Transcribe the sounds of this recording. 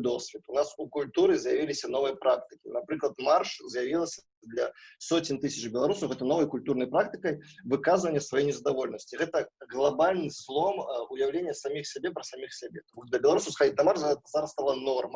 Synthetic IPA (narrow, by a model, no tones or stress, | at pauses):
d̪osʲvʲɪt̪unasukulʲt̪uɾɨzjavʲilʲɪsʲɐnovɨjɐpɾak̚t̪ɨkʲinapɾɨklˠɐt̪marʂzjavʲilˠəsʲɐ | d̪lʲɐsotʲɪnʲt̪ɨsʲɐt͡ʃbʲɪlˠɐɾusəwɣɛt̪ənɔvɐjkulʲt̪urnɐjpɾak̚t̪ɨkəjvɨkazɨvənʲːəsvajejnʲɪzəd̪avolʲnəsʲtʲt͡sʲiɣɛt̪əɣlˠabalʲnɨslˠɔmujawlʲenʲːjəsamʲixsʲabʲepɾɐsamʲixsʲabʲet̪amuʂt̪ɔd̪ʲɐbʲɪlˠɐɾuswsxɐdʲit̪ʲnɐmarʂɛt̪zaɾɐst̪alˠanɔrmɐ